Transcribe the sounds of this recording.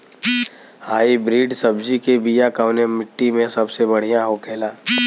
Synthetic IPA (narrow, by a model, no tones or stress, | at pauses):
haːibɾiːɖsɐbd͡ʒikebiːjakaʋnemɪʈːimẽsɐbsebɐɽ̤ijãɦoːkʰeːlaː